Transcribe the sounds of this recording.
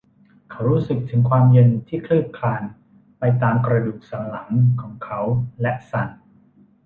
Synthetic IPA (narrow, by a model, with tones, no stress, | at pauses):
kʰa˦˥wɾuː˦˥sɯ˨˩k̚t̪ʰɯ˩˦ŋkʰwaː˧mje˧nt̪ʰiː˥˩kʰlɯː˥˩p̚kʰːaː˧n | pa˧jt̪aː˧mkɾa˧duː˨˩k̚sa˩˦nla˩˦ŋkʰɔː˩˦ŋkʰa˦˥wlɛ˦˥ʔsa˨˩n